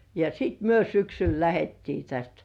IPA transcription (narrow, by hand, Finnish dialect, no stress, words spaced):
jɑ sit myø syksyl læhetːiː tæst